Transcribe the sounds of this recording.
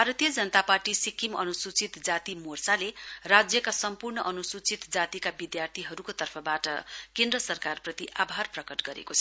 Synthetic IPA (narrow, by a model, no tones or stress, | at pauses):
bʱaɾʌt̪ijʌd͡zʌnʌt̪aparʈisikimʌ̰nusut͡sit̪d͡zat̪imorsalerad͡zjʌkasʌmpurɳʌʔʌnusut͡sit̪d͡zat̪ikabid̪jart̪ʰiɦʌɾukot̪ʌrpʰʌbaʈʌkẽnd̪rʌsʌrkarprʌt̪iʔabʱarprʌkʌʈɡʌɾḛkot͡sʰʌ